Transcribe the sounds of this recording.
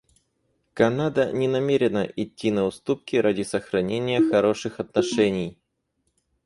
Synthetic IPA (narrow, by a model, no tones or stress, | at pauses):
kɐnad̪ənʲɪnɐmʲeɾʲɪnəʔɪtʲːinəʊst̪up̚kʲɪɾʔadʲɪsəxɾɐnʲenʲɪjəxɐɾo̞ʂɨxɐt̪nɐʂɛnʲɪj